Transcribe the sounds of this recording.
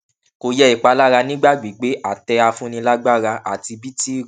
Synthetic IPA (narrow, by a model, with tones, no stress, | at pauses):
ko˧jɛ˦i˨k͡pa˧la˦ɾa˧nĩ˦ɡ͡ba˦˨ɡ͡bi˨˦ɡ͡be˨˦ʔa˦˨tɛ˧a˧fũ˦nĩ˧la˦ɡ͡ba˦ɾa˧ʔa̰˨ti˧bi˦ti˦˨